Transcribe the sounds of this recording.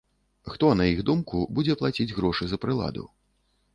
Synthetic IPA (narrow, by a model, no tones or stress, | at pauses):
xt̪ɔnɐjiɣd̪umkubud͡zʲɛplˠat͡sʲid͡zʲɣɾɔʂɨzɐpɾɨlˠa̰d̪ṵ